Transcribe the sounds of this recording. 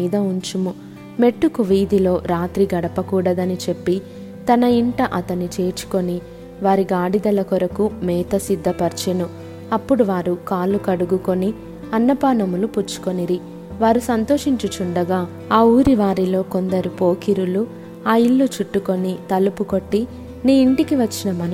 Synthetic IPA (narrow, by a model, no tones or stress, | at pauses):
iːd̪ɐuɲt͡ʃimu | me̞ʈːukuʋiːd̪ilo̞ːɾaːt̪ɾiɡɐɽɐpɐkuːɽɐd̪ɐnit͡ʃe̞pːi | t̪ɐnɐiɳʈɐʔɐt̪ɐnit͡ʃe̞ːt͡ʃu̥ko̞ni | ʋaːɾiɡaːɽid̪ɐlɐkɔɾɐkumɛːt̪ɐsid̪ːɐpɐɾt͡ʃɐnu | ɐpːuɽuʋaːɾukaːlːukɐɽuɡuko̞ni | ɐnːɐpaːnɐmuluput͡ʃːu̥koniɾi | ʋaːɾusɐnt̪o̞ːʂiɲt͡ʃut͡ʃuɳɖɐɡaː | aːuːɾiʋaːɾilo̞ːko̞nd̪ɐɾupo̞ːkiɾulu | aːiɭːut͡ʃuʈːuko̞nit̪ɐlupuko̞ʈːi | niːiɳʈikiʋɐt͡ʃːinɐmɐnɐ